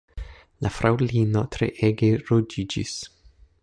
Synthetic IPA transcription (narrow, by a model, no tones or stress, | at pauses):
lafɾawlino̞tɾḛʔeɡeɾod͡ʒid͡ʒḭs